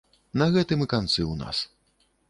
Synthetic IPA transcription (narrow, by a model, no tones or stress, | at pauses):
nɐɣɛt̪ɨmɨkant̪sɨwna̰s